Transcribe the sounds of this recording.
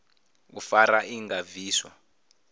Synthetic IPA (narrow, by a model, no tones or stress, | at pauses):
ṵfaɾaʔiŋɡaviːswa